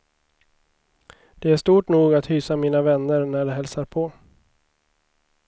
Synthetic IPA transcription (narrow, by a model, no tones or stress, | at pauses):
d̪̥ɛæʂt̪uːʈnuːɡat̪hyːsamiːnavɛnːəɾnæɖɛɦɛlsaɾpʰɔ